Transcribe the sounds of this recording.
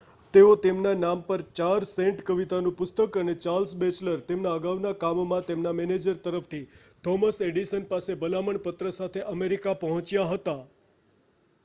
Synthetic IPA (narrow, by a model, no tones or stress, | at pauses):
t̪eot̪emnanampəɾt͡ʃaɾsẽɳʈkəʋit̪anũpʊst̪əkənet͡ʃaɾlsbet͡ʃləɾt̪emnaəɡaʋnakamomãt̪emnamɛned͡ʒəɾt̪əɾəft̪ʰit̪ʰɔməseɖiʃənpasebəlaməɳpət̪ɾəsat̪ʰeʔəmeɾikapəɦɔ̃t͡ʃjaɦət̪a